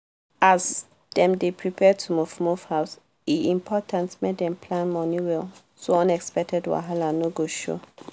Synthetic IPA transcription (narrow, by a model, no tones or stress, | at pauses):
as | dɛ̃mdepʰɹipʰɛtʰumufmufhaʊs | iĩmpʰɔtʰãntmek̚dɛ̃mpʰlãnmɔniwɛl | soɔ̃nɛkspɛk̚tʰɛdwa̰ɦalanoɡoʃɔ̰